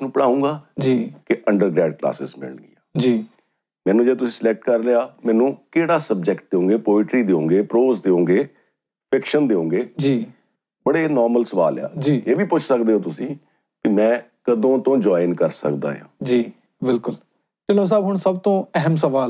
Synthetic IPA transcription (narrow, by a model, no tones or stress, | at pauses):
ɪsnũːpəɽaːũːɡaːd͡ʒiːkɪʔəɳɖəɾɡɾɛːɖkla̰ːsɪ̰zmɪ̰ɭɡiːaːd͡ʒiː | mɛ̃ːnũːd͡ʒeːt̪ʊsĩːsəlɛk̚ʈkəɾleaːmɛ̃ːnũːkeːɽaːsəb̚d͡ʒɛkʈ̚d̪eːõːŋɡeːpoːɪʈɾiːd̪eːõːŋɡeːpɾoːzd̪eːõːɡeː | pʰɪkʃənd̪eːõːɡeːd͡ʒiː | bəɽeːnɔːɾməlsəʋa̰ːla̰ːd͡ʒiːeːʋiːpʊt͡ʃʰsəkd̪eːɦõːt̪ʊsĩː | kɪmɛ̃ː | kəd̪õːt̪õːd͡ʒɔːɪnkəɾsə̰kd̪a̰ːɦjã̰ːd͡ʒiː | bɪlkʊl | ʈɪnõːs̬aːbɦʊɳsəbt̪õːɛɦəmsəʋaːl